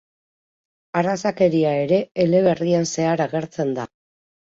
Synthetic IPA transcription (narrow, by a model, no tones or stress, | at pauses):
arasake̞ɾiae̞ɾe̞ːle̞β̞e̞rianse̞aɾaɣe̞ɾt͡se̞nd̪a